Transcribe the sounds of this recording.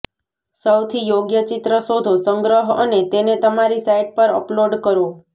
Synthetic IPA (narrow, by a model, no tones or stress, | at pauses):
səwt̪ʰijoɡjət͡ʃit̪ɾəsod̪ʱosəŋɡɾəɦə̰net̪enet̪əmaɾisaiʈ̚pəɾə̰ploɖkəɾo